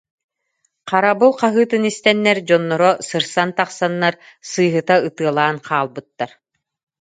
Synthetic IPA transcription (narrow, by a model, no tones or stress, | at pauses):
qaɾabulˠqaɦɯːt̪ɯnist̪ɛnːɛɾd͡ʑɔnːɔɾɔsɯɾsant̪aqsanːaɾ | sɯjɦɯt̪aɯt̪ɯɐlˠaːnqʰaːlˠbɯt̪ːaɾ